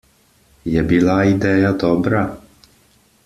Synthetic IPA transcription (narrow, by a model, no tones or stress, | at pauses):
jɛbilaid̪ɛːjad̪ɔbɾa